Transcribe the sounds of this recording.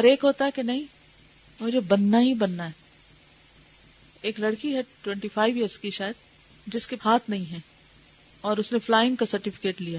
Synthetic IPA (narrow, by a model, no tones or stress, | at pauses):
ɔːɾeːkɦoːt̪aɦɛkenɐɦĩ | mʊd͡ʒʱebɐnːaɦibɐnːaɦɛ | eːklɐɽkiɦɛʈwɛ̃ɳʈifʰaːɪʋijəɾskiʃaːjəd̪ | d͡ʒɪskeaːt̪nɐɦĩɦɛ̃ː | ɔːɾʊsneflaːɪ̃ŋɡkasɐɾʈɪfɪ̥keːʈlijaː